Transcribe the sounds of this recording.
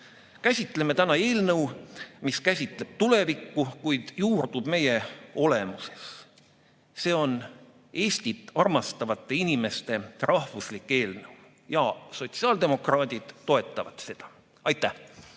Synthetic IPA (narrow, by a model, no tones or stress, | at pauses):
kæsʲit̪ːˑle̞me̞t̪ænɑe̞ːlnɤwmiskæsʲit̪ˑle̞b̥̚t̪ule̞vikːukujd̪̥juːrd̪̥ub̥me̞je̞o̞le̞muse̞̥s | se̞ːo̞n | e̞ːsʲt̪it̪ːˑɑrmɑst̪ɑvɑt̪ˑːe̞inime̞st̪e̞rɑhvuslikːe̞ːlnɤw | jɑ̰so̞t̪siɑːld̪e̞mo̞krɑːd̪̥ʲid̪̥ːo̞e̞t̪ˑːɑvɑt̪se̞d̪̥ɑ̥ | ɑjt̪ːæh